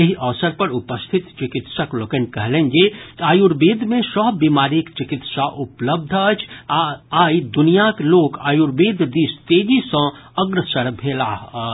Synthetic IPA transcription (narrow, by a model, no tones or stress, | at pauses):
ɐɦiʔɐʋsəɾpɐɾʊpəst̪ʰɪt̪t͡ʃɪkɪt̪səklokənkɐɦlẽːŋɡeaːjuɾbiːd̪ʱmẽsɔːɦbiːmaːɾikt͡ʃɪkɪt̪saʔʊpləb̚d̪ʱət͡ʃʰ | aːid̪ʊnijakloːkaːjuɾbiːd̪ʱd̪iːst̪eːd͡ʒisɔ̃əɡɾəsəɾbʱeːlaːɦ